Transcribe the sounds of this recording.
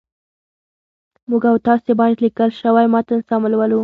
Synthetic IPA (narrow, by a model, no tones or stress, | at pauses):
muɡawt̪ɑsebɑjad̪likəlʃəwajmɑt̪anɪsɑmɪlwəlu